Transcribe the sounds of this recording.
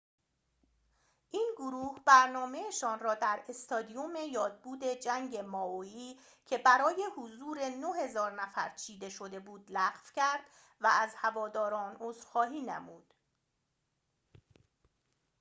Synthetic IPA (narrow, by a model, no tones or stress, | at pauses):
ʔiːnɡoɾuːhbæɾnɒːme̞eʃɒːnrɒːd̪æɾe̞st̪ɒːd̪ijome̞jɒːd̪̚buːd̪e̞d͡ʒæŋɟe̞mɒːoiː | cʰe̞bæɾɒːje̞hozuːɾe̞no̞he̞zɒːɾnæfæ̰ɾt͡ʃʰiːd̪e̞ʃo̞d̪e̞buːd̪læɣfcʰæɾd̪̥ | vææzhævɒːd̪ɒːɾɒːnoːzɾxɒːɦiːnḛmuːd̪̥